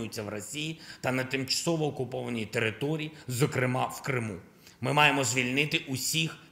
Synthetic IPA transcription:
ʊjʊt͡sʲːɐʋrɔsʲijit̪ɐnɐt̪ɪmt͡ʃɐ̥sɔʋɔːkʊpɔʋɐnʲijt̪eɾɪt̪ɔɾʲijizɔkɾɪmɑwkɾɪmu | mɪmɑjemɔzʲʋʲilʲnɪt̪ɪʔusʲix

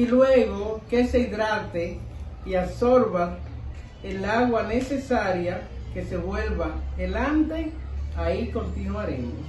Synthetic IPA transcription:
ilweɣo̞ke̞se̞iðɾat̪eiaso̞ɾβa | elaɣwanese̞saɾjake̞se̞βwe̞lβaelant̪e̞ | aiko̞nt̪inwaɾḛmo

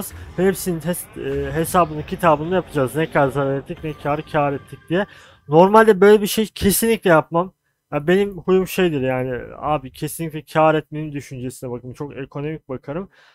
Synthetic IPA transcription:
z̥hepsininʰɛst̪ːɦe̞saːbɯnɯncʰit̪ʰaːbɯnɯjapʰad͡ʒaːznɛcʰlʲaɾzaɾaɾɛt̪lːʲicnɛcʰaːɾɯcʰɛaːɾɛt̪ʰːic̚d̪ijɛ | no̞ɾmalʲd̪ɛbø̞jlʲebiɾʃejcʰe̞sinlʲicʲlʲɛjapmam | jabe̞nimhujumʃejd̪iɾjaːnia̰ːbicʰesinlʲicʲlʲɛcʰaːɾɛt̪menimd̪yʃynd͡ʒesinɛbakɯɯmt͡ʃʰo̞kekʰo̞no̞mic̚bakʰaɾɯm

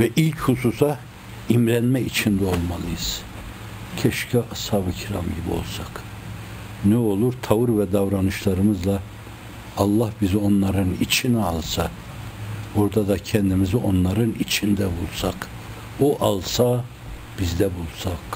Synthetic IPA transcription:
vɛʔilʲchususa | imɾænmɛit͡ʃʰind̪ɛo̞lˠmɑlˠɯjɯz̥ | cʰɛʃcʰɛʔɑshaβɯcʰiɾa̰mɟibio̰lˠsak | nɛo̞lˠuɾt̪ʰavɯɾvɛd̪avɾanɯʃlˠɑɾɯmɯzlˠɑ | ɑlˠːɑhbizio̞nlˠɑɾɯnit͡ʃʰiniɑlˠsa | oɾd̪ad̪acʰɛnd̪imizio̞nlˠɑɾɯnit͡ʃʰind̪ɛbulˠsɑk | oʔɑlˠsa | b̥izd̪ɛbulˠsak

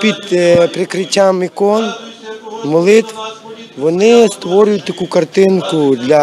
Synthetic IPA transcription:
pʲid̪pɾɪkɾɪt͡ɕʲamɪkɔn | mɔlˠɪt̪ʋʋɔnɪst̪ʋɔɾʲʊjʊt̚ʲt̪ɐkukɐrt̪ɪnkʊd̪lʲɐ

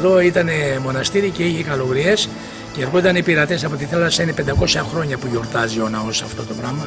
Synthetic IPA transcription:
ðo̞it̪ɐne̞mo̞nɐst̪iɾice̞içekɐlo̞ɣɾie̞s | ceeɾɣoit̪ɐnepiɾɐt̪e̞sɐpo̞t̪iθelɐsɐinepe̞nd̪ɐko̞sɐxɾo̞ɲɐpuʝo̞ɾt̪ɐzio̞nɐosɐft̪o̞t̪o̞pɾɐmɐ

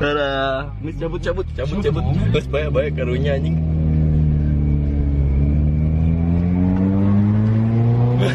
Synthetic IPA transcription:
aɾa | məst͡ʃabʊt̪̚t͡ʃabʊt̪̚t͡ʃabut̪t͡ʃabʊt̪̚məspajaʔbajakːaɾuɲaniŋ

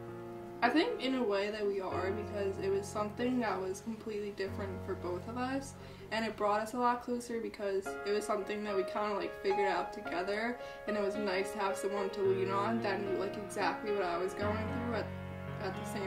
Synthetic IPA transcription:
aɪθɪ̃ŋkɨ̃nəweɪðɨt̚wiə˞bɨkʰʌzɪt̚wʌz̥sʌ̃mθɪ̃ŋðət̚wʌz̥kʰm̩pʰl̥itˡlidɪfɹɨ̃ntfə˞boʊθʌvʌs | ɨ̃ñɨt̚b̥ɹɔɾʌsəlɔt̚kʰl̥oʊsə˞bɨkʰʌzɨt̚wʌz̥sʌ̃mθɪ̃ŋðɨt̚wikʰãɪ̃ndəlaɪkfɪɡjə˞ɾaʊtʰɨɡɛðə˞ | ɨ̃ñɨt̚wʌznaɪstʰɨəv̥sʌ̃mwʌ̃ntʰəlĩnə̃nðɨ̃nlaɪkɨɡzæk̚tˡliwʌɾaɪwʌzɡoʊɪ̃ŋθɹʉɨt̪̚ | ɨt̪̚ðɨsẽɪ̃

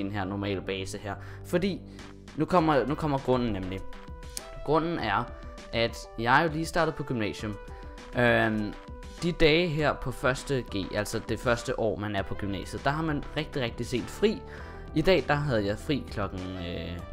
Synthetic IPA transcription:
enɦeɐ̰nɒmɛ̰ːlb̥ɛːsəheɐ̰ | fɒ̽d̥ḭː | nukʰɒ̽m̰ɐnukʰɒ̽m̰ɐɡ̥ʁɔ̽n̰n̩nemli | ɡ̥ʁɔ̽n̰n̩æɐ | ʔæd̥ | jɑ̈ɪjo̝liːsd̥ɑ̈ːd̥ð̩ˠpʰɒ̽ɡ̥ymnɛ̰ːɕjɔm | ø | d̥id̥ɛːɦeɐ̰pʰɒ̽fɶɐsd̥əɡ̥e̝̰ːʔælsɒd̥e̝fɶɐsd̥əʔɒ̰ːmænæɐpʰɒ̽ɡ̥ymnɛ̰ːɕjð̩ˠd̥ɑ̈ɦɑ̈mænʁeɡ̥̚d̥iʁɛɡ̥̚d̥ise̝̰ːld̥fʁḭː | id̥ɛ̰ːd̥ɑ̈ɦæð̞ˠjɑ̈ɪfʁḭːkʰlɒ̽ɡ̥ŋ̩ø

